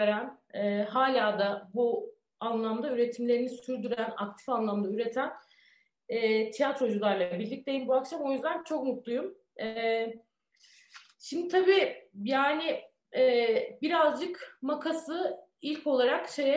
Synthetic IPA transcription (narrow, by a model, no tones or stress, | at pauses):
ɾæn | ɛːɦaːlʲaːd̪abu | anlˠamd̪ayɾe̞t̪ʰimlʲe̞ɾinisyɾd̪yɾæna̰k̚t̪ʰi̥fanlˠamd̪ayɾe̞t̪ʰæn | ɛːt̪ʰijat̪ɾo̞d͡ʒulˠaɾlˠabiɾlʲic̚t̪ejimbuakʃamo̞jyzd̪ænt͡ʃʰo̞k̚mut̪lˠujum | ɛ | ʃimd̪it̪ʰabiːjaːnɪ | ɛːbiɾazd͡ʒɯkmakʰasɯ | ilʲko̞lˠaɾakʃejɛ